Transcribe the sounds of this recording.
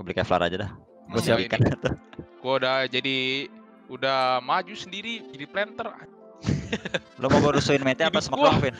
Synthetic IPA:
bəlikaafla̰ɾa̰d͡ʒadah | ɡusiapikanat̪ʊkuadad͡ʒadi | udahmad͡ʒusəndiɾiiɾiplɛnt̪əra | lʔomoboɾusuɪnmet̪eapasəmakfɪn

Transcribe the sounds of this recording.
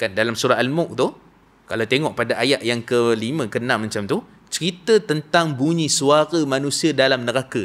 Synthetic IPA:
kandalamsuɾaalmʊk̚t̪ʊ | kalawt̪eŋɔʔ̚padaʔajaʔ̪jaŋkəlimə̃kənãʔmãɲt͡ʃamt̪u | t͡ʃəɾit̪ət̪ənt̪aŋbuɲĩsuaɾamãnũsiədalamnəɾakə

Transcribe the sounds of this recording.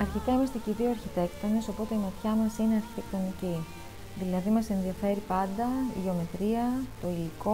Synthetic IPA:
ɐɾçit̪ɐimɐst̪eceðioɐɾçit̪e̞kt̪o̞neso̞po̞t̪e̞imɐt̪çɐmɐsine̞ɐɾçi̥t̪e̞k̚t̪o̞nici | ðilɐðimɐse̞nðiɐfe̞ɾipɐnd̪ɐḭʝe̞o̞me̞t̪ɾiɐt̪o̞iliko̞

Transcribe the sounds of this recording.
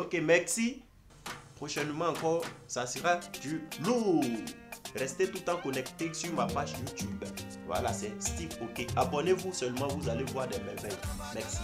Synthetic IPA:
okemɛʁsi | pχoʃɛnmɑ̃ːkɔʁsasəʁad̪ylu | ʁɛst̪et̪ut̪ãkɔnɛk̚t̪esyʁmapaʒjut̪ybvwa̰lasɛst̪ivokeabɔnevusœlmɑ̃vuzalevwaʁd̪ɛmɛvɛjmɛʁsi

